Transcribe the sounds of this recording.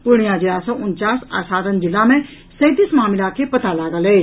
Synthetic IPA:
pʊɽ̃ijãd͡ʒiasɔʔʊnt͡ʃaːsa̰ːsaːd̪ənd͡ʒɪlːãmẽ | sɐd̪ismaːmɪlakʰepɐt̪alaːɡəleː

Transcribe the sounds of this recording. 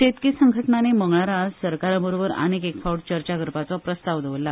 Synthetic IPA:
t̪et̪kiːsəŋɡʱəʈnaneməŋɡɳaɾasəɾkaɾabəɾobəɾə̰nekekfauɽt͡ɕəɾt͡ɕaɡʱəɾpat͡sɔpɾəst̪aʋd̪ʱəʋəlːa

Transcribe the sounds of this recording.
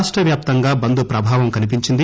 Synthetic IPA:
ʂʈɾɐʋjaːp̚t̪ɐŋɡaːbɐnd̪upɾɐbʱaːʋɐmkɐnip̬iɲt͡ʃind̪i

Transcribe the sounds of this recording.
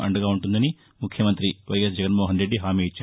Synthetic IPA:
ɐ̰ɳɖɐɡaːuɳʈund̪ɐni | mukʰjɐmɐnt̪ɾiʋɐjes̬d͡ʒɛɡɐnmoːɦɐnɾe̞ɖːiɦaːmiːit͡ʃːaː

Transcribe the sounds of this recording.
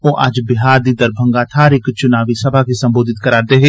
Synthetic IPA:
oːʔɐ̰d͡ʒbɪɦaːɾd̪id̪ɐɾbʱə̃ŋɡaːt̪ʰaːɾɪkt͡ʃʊnaːʋisɐbʱakisɐ̃mboːd̪ʱɪt̪kɐɾaːɾd̪eɦeː

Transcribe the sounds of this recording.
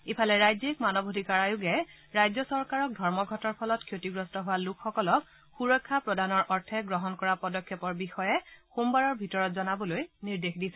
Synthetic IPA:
ipʰalɛɹajzekmanɔbʱodʱikaɹajʊɡɛ | ɹajzɔsɔɹkaɹɔk̚dʱɔɹmɔɡʱɔtɔɹpʰɔlɔtkʰjotiɡɹɔstɔɦʊwalukʰxɔkɔlɔk | xuɹɔkʰːapɹɔdanɔɹʔɔɹtʰɛɡɹɔɦɔnkɔɹapɔdɔkʰjɔpɔɹbixɔjɛxumbaɹɔɹbʱitɔɹɔtzɔnabɔlojniɹdexdisɛ

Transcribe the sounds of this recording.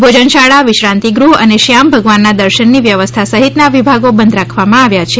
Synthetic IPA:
bʱod͡ʒənʃaɭaʋɪʃɾãnt̪iɡɾuɦə̰neʃjambʱəɡʋanːad̪əɾʃənːiʋjəʋəst̪ʰasəɦit̪naʋibʱaɡobənd̪ɾakʰʋamãaʋjat͡ʃʰe

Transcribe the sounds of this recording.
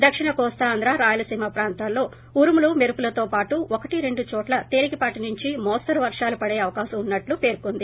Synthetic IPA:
d̪ɐkʂiɳɐkɔːst̪ɐːnd̪ɾaːɾaːjulɐsiːmɐpɾaːnt̪aːllo̞ː | uɾmulumeɾupulɐt̪o̞ːpaːʈuʔɔkɐʈiɾe̞ɳɖut͡ʃɔːʈlɐt̪eːɾikipaːʈinuɲt͡ʃimɔːst̪ɐɾuʋɐɾʂaːlupɐɽeːɐʋɐkaːʃɐmunːɐʈlupe̞ːɾkond̪i

